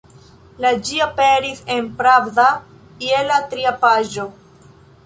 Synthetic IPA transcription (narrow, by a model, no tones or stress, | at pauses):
lad͡ʒiapeɾisenpɾavda | ielatɾiapaʒo